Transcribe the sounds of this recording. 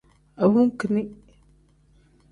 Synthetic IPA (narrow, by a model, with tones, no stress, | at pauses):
a˨wu˦ŋ˦kə˨ni˦